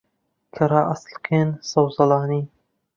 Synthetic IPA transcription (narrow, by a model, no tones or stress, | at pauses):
kʰɐɾaːʔɑslkʰeːnsɐwzɑlɑːniː